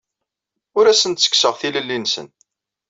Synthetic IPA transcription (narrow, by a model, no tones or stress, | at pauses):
ʊɾæsənt̪sə̥kːsəʁθiləlːinsə̰n